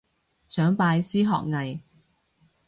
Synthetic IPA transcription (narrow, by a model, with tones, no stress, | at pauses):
sœː˨˥ŋpaː˧jsiː˥ɦɔ̰ː˨k̚ŋɐ˨j